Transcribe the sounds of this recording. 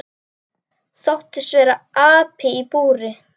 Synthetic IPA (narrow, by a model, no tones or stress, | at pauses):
θawht̪ɪsvɛːɾaaːpʰɪipuːɾɪ